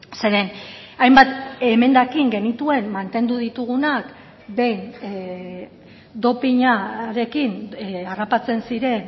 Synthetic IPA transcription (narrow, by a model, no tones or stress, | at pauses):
se̞ɾe̞n | ajmbat̪e̞me̞nd̪akiŋɡe̞nit̪ue̞nmant̪e̞nd̪uðit̪uɣ̞unak | d̪e̞jn | d̪o̞piɲaɾe̞kinarapat͡se̞nsiɾe̞n